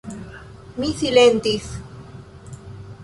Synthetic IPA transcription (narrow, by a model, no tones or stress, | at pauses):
miθilent̪iθ